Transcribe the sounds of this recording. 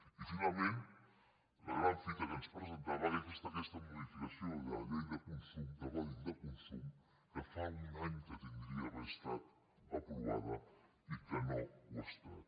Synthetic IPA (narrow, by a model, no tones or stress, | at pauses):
ifinalˠmẽn | lə̰ɣɾaɱfit̪əkənspɾəzənt̪aβaðəkɛst̪əkɛst̪ɐmuðifikəsioðəʎejðəkunsumd̪əβaðd̪əkunsum | kəfaunaɲkət̪ind̪ɾiəβəst̪at̪ | ɐpɾua̰ðə | ikənoɣust̪a